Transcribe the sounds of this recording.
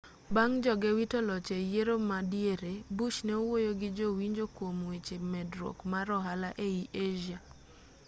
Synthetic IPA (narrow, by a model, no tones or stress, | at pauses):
baŋd͡ʒɔɡɛwitɔlɔt͡ʃɛjeɾomadjeɾebut͡ʃnɛowojoɡɪd͡ʒowiɲd͡ʒokwomwet͡ʃemɛdɾɔ̰kmaɾɔɦalaʔeiʔeʒa